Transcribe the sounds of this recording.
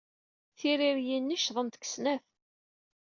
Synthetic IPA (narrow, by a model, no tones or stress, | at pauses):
θiɾiɾjinːəʃðˤənt̪ə̥ksnæf